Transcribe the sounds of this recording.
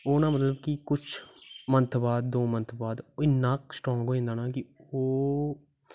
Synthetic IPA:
oːnaːmət̪ləbkɪkʊt͡ʃʰmə̃nt̪ʰbaːd̪̚ːoːmənt̪ʰbaːd̪ɪnːaːksʈɾɔ̃ːŋɡɦoːẽːnd̪aːnaːkɪoː

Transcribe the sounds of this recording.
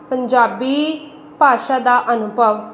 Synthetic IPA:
pəɲd͡ʒaːbiː | paːʃaːd̪aːʔənʊbʱəʋ

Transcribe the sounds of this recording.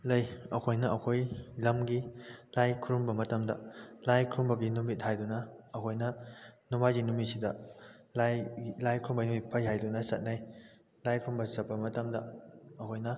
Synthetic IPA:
lɐjɐkʰojnɐʔɐkʰojlɐmɡilajkʰuɾumbɐmɐtɐmdɐ̰lajkʰɾumbɐɡinumit̚hajdunɐɐkʰojnɐnumajɡinumisidɐllajkʰɾumbɐnumipʰɐjhajdunɐsɐ̰t̚naj | lajkʰɾumbɐzɐpːɐmɐtɐmdɐɐkʰojnɐ

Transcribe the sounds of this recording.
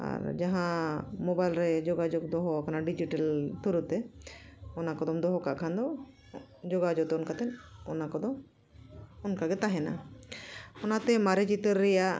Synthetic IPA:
a̰ɾd͡ʒaɦãmɔbajlɾɛd͡ʒɔɡad͡ʒok̚d̪ɔɦɔakʰanaɖid͡ʒiʈalt̪uɾut̪ɛ | ɔnakɔd̪ɔmd̪ɔɦɔkaʔkʰand̪ɔ | d͡ʒɔɡad͡ʒɔt̪ɛɔnkat̪ɛnɔnakɔd̪ɔm | ɔnkaɡɛt̪aɦɛna̰ | ɔnat̪ɛmaɾɛt͡ʃit̪əɾːɛjaʔ

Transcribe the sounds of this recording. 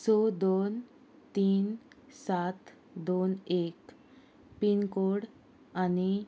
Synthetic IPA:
sod̪on | t̪iːnsat̪ | d̪onek | pinkoɽ | ani

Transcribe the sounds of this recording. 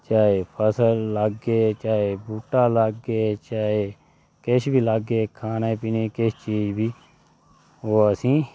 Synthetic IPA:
t͡ʃaːeːpʰəsəlːəɡeːt͡ʃaːeːbuːʈaːləɡeːt͡ʃaːeː | kɪʃbʱiːləɡːeːkʰaːneːpiːneːkɪst͡ʃiːd͡ʒbʱiː | oːəsĩː

